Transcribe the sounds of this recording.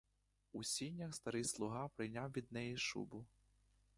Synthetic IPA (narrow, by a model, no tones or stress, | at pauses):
usʲinʲːɐxst̪ɐɾɪslˠʊɦɑpɾɪjnʲɑwʋʲid̪nɛjiʃṵbʊ